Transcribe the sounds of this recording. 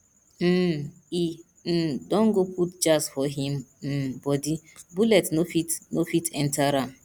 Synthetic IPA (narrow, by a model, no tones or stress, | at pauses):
m̩ | i | n̩dɔ̃ŋ̩ɡoputd͡ʒasfɔɦim̩m̩bɔdibulɛtnofitnofitʰɛn̩taɾam̩